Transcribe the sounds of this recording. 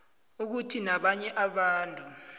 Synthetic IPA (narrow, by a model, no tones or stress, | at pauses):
uk̬utʰinaɓaɲɛʔaɓaːntʼu